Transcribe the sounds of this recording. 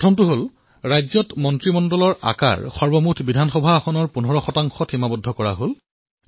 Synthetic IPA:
pɔtʰɔmtuɦol | ɹajzɔtmɔntɹimɔndɔlɔɹa̰ka̰ɹxɔɹbɔmutʰbidʱanxɔbʱaɔxɔnɔɹpunɔɹɔxɔtaŋxɔtʰimabudʱɔkɔɹa̰ɦol

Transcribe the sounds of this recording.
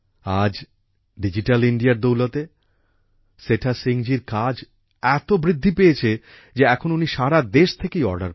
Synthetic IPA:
ad͡ʑ | ɖid͡ʑiʈaliɳɖijaɾd̪owlot̪e | seʈʰasiŋd͡ʑiɾkad͡ʑ | ɛt̪obɾid̪ʱːipejet͡ɕʰe | d͡ʑeɛkʰonuniʃaɾad̪eʃt̪ʰekejɔɾɖa̰ɾ

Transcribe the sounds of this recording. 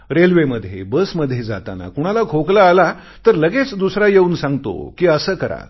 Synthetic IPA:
ɾelʋeməd̪ʱːjḛbəsməd̪ʱːjed͡za̰t̪a̰na̰kuɽ̃alakʰoklaːla | t̪əɾləɡet͡sd̪usɾajeuːnsãŋɡt̪o̰kiːəsəːkəɾa̰

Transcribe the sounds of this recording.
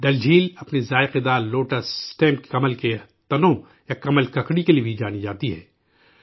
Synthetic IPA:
ɖɐld͡ʒʱiːlɐpnezaːeqɪd̪aːloːʈəsʈɛ̃ːmkkɐməlket̪ɐnõ | jakɐməlkɐkɽikeliebʱid͡ʒaːnid͡ʒaːt̪iɦɛ̰ː

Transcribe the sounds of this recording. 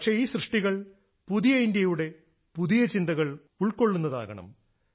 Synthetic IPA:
kʂe̞iːɕrɨʂʈiɣɐɭ | puðijɐindjɐjuɽe̞ | puðijɐt͡ɕind̪ɐɣɐɭ | uɭko̞ɭːunːɐða̰ːɣɐɳɐ̰m

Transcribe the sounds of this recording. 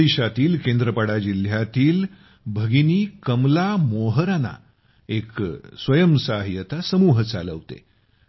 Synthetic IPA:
iɕat̪iːlkẽnd̪ɾəpəɽad͡ʑil̤jat̪iːl | bʱəɡiniːkəmlamoɦəɾana̰ | eksʋəjəmsaɦiət̪asəmuːɦt͡sa̰lə̰ʋt̪ḛ

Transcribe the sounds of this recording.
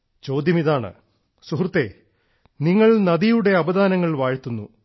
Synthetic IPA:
t͡ɕo̞ːd̪jɐmiðaːɳɨ̰ | suɦrut̪ːe̞ː | niŋːɐɭnɐd̪ijuɽe̞ɐbɐd̪aːnɐŋːɐɭʋaːɻt̪ːunːṵ

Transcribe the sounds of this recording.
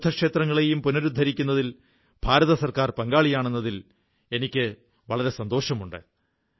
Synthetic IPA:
d̪ʰʱːɐkʂeːt̪rɐŋːɐɭe̞jumpunɐɾud̪ʱːɐɾikʲːun̪ːɐðil | b̥ʱaːɾɐðɐsɐrkaːrpɐŋɡaːɭijaːɳenːɐðil | e̞nikʲːɨ | ʋɐɭɐɾe̞sɐnd̪o̞ːɕɐmuɳɖɨ̰

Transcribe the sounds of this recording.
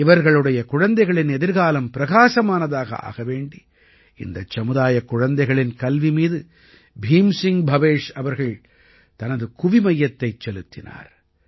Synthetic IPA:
ɪʋɐɾɣɐɭɯɽɐjɐkʊɻɐnd̪ɐɪɣɐɭɪnɛðɪɾɣaːlɐmpɪɾɐɣaːsɐmaːnɐðaːɣɐ̰a̰ːɣɐʋeːɳɖi | ɪ̰nd̪ɐt͡ʃːɐmɯðaːjɐkːʊɻɐnd̪ɐɪɣɐɭɪnkɐlʋimiːðɯ | bʱiːmsɪŋbʱɐʋeːʂɐʋɐɾɣɐɭ | t̪ɐnɐðɯkʊʋimɐjːɐt̪ːɐɪt͡ʃːɛlɯt̪ːɪna̰ːɾ

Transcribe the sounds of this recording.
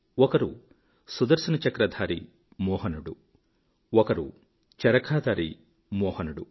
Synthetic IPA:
ɔkɐɾu | sud̪ɐɾsɐnɐt͡ʃɐkɾɐd̪ʱaːɾḭ | mɔːɦɐnuɽu | ɔkɐɾṵ | t͡ʃɐɾɐkʰaːd̪aːɾḭ | mɔːhɐnuɽu

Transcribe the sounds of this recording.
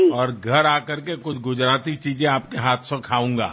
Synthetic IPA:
ɔːɾɡʱɐɾaːkɐɾkekʊt͡ʃʰɡʊd͡ʒɾaːt̪it͡ʃiːd͡ʒẽaːp̚keɦaːt̪ʰsõkʰaːũːŋɡa̰ː

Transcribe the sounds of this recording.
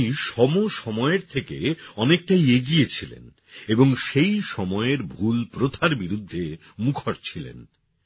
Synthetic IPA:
ʃɔmoʃɔmɔeeɾt̪ʰekeɔnek̚ʈajeɡiet͡ɕʰilḛn | eboŋʃejʃɔmɔeeɾbʱulpɾot̪ʰaɾbiɾud̪ʱːe | mukʰoɾt͡ɕʰilḛn

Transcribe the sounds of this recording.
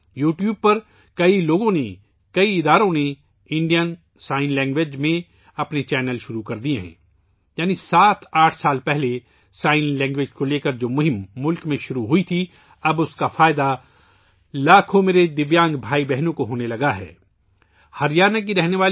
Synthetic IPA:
juːʈjuːb̚pɐɾ | kɐiloːɡõne | kɐiɪd̪aːɾõne | ɪ̃ɳɖijən | saːɪnlɛ̃ːŋɡʋeːd͡ʒmẽ | ɐpnet͡ʃɛːnəlʃʊɾukɐɾd̪ieɦɛ̰̃ː | jaːnisaːt̪ʰaːʈʰsaːlpɛɦle | saːɪnlɛ̃ːŋɡʋeːd͡ʒkoleːkəɾd͡ʒoːmʊɦɪ̃mːʊlkmẽʃʊɾuɦʊit̪ʰi | ɐbʊskafaːɪd̪a | laːkʰõmeːɾed̪ɪʋjãːŋɡbʱaːibɛɦnõkoɦoːnelɐɡaɦɛ̰ː | hɐɾjaːnək̬iɾɛɦneʋaːl

